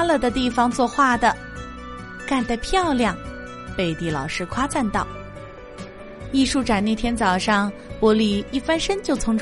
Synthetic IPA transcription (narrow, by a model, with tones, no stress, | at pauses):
lə˧d̪ə˩t̪i˥˩fɑ˧ŋt͡swɔ˥˧xwa˥˩d̪ə˩ | ka˥˧nt̪a˥˧ɪpʰjɑ˥˧ʊljɑ˥˩ŋ | pe˥˩ɪt̪i˥˩lɑ˨˩ʊʂɻ̩˥kʰwa˥t͡sa˥˧nt̪ɑ˥˩ʊ | i˥˧ʂu˥˩ʈ͡ʂa˨˩ne˥˩ɪt̪ʰjɛ˥nt͡sɑ˨˩ʊʂɑ˥˩ŋ | pwɔ˧˥li˧˩i˥˩fa˥nʂə˥nt͡ɕjo˥˩ʊt͡sʰʊ˧˥ŋʈ͡ʂʰ